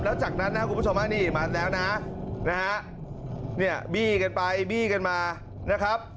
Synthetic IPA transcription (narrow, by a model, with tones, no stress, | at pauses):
p̚lɛː˦˥wt͡ɕaː˨˩k̚na˦˥nːa˧˦kʰu˧m˦u˥˩t͡ɕʰmʔaː˦˥˩niː˥˩maː˧lɛː˦˥wna˦˥na˦˥ɦa˦˥ʔ | ni˥˩ɐbiː˥˩ka˧npa˧jbiː˥˩ka˧nmaː˧ | na˦˥kʰɾa˦˥p̚